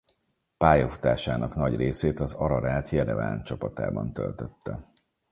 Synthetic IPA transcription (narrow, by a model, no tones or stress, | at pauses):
paːjofu̥t̪aːʃaːnʔɒknɒɟreːseːt̪ɒzɒɾɒɾaːlt̪ʰjɛd̪ɛva̰ːnt͡ʃɒpɒt̪a̰ːbɒnt̪ø̰lt̪øt̪ːɛ